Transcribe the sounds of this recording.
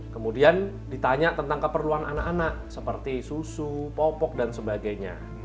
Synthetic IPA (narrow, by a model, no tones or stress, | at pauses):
kəmudian | dit̪aɲaʔt̪ənt̪aŋkəpərluanʔanaʔanaʔsəpərt̪isusupɔpɔk̚dansəbaɡajɲa̰